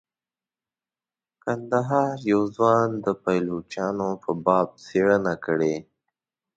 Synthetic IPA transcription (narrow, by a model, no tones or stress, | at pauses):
kand̪aɦɑɾjawzwɑnd̪əpajlut͡ʃjɑnopəbɑb̚t͡seɽənakəɽe